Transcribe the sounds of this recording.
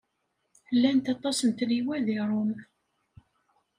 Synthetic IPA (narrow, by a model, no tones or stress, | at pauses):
lːænt̪ɑt̪ˤɑsənt̪ɾiwæðiɾˤom